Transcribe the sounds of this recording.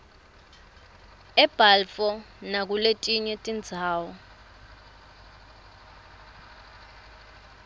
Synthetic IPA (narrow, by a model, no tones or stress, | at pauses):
ɛb̥ʱalfɔ | nak̬uletʼiɲɛtʼind͡zʱaːwɔ